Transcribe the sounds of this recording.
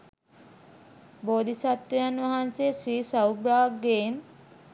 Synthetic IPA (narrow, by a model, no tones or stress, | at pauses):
boːd̪ʱisat̪ʋejanʋaɦanseːsiːsawbɾaːɡːen